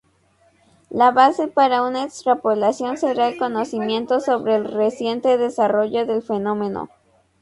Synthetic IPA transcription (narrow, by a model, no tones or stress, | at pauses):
laβase̞paɾaunaekst̪ɾapolasjo̞nse̞ɾaelko̞no̞simje̞nt̪o̞so̞βɾe̞ːlresje̞nt̪eðe̞saro̞ʝo̞ðe̞lfe̞no̞mẽ̞no̰